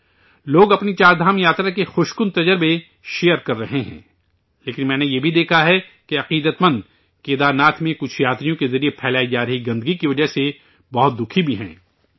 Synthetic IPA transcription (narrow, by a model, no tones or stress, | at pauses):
loːɡɐpnit͡ʃaːɾd̪ʱaːmjaːt̪ɾakexʊʃkʊnt̪ɐd͡ʒəɾbe | ʃeːjəɾkɐɾːɐɦeɦɛ̰̃ː | leːkɪnmɛ̃ːnejeːbʱid̪eːkʰaɦɛkeɐqiːd̪ət̪mɐ̃nd̪ | keːd̪aːɾnaːt̪ʰmẽkʊt͡ʃʰjaːt̪ɾijõkezɐɾiepʰɛːlaːid͡ʒaːɾɐɦiɡɐ̃nd̪ɡikiʋɐd͡ʒəɦse | bɐɦʊt̪̚d̪ʊkʰibʱiɦɛ̰̃ː